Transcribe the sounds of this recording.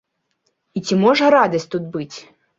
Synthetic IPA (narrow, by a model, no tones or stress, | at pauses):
it͡sʲimɔʐɐɾad̪ɐsʲtʲt̪ud̪̚bɨt͡sʲ